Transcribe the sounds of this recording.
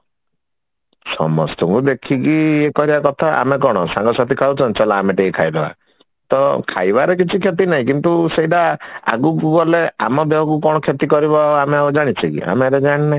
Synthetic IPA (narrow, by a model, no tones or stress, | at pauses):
sɔ̰mɔ̰st̪ɔŋkud̪ekʰikiekɔɾibakɔt̪ʰaʔa̰mekɔɽ̃ɔsãŋɡɔsat̪ʰikʰawt͡ʃʰɔnt͡ʃɔlaːmeʈeikʰajd̪eba̰ | t̪ɔkʰa̰jbaɾekit͡ʃʰikʰjet̪̬inaɦĩkint̪useɦiɖaa̰ɡukuɡɔleamɔd̪eɦɔk̬ukɔɽ̃ɔkʰjet̪ikɔɾibaameaɔd͡ʒaɽ̃it͡ʃʰikḭa̰meɾed͡ʒaɽ̃inẽ